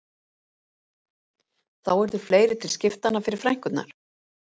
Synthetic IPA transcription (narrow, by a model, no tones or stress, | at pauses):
θawɛɾðʏɾ̥fleːjɾɪt̪ʰɪlscɪft̪anafɪɾɪɾ̥fɾajŋ̥kʏt̪na̰ɾ̥